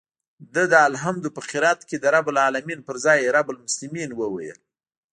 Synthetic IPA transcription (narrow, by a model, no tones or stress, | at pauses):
d̪əd̪əalɦamd̪upəxɪɾat̪ked̪əɾabʊlɑlaminpəɾzɑjɾabʊlmʊslɪminwəwa̰jə̰l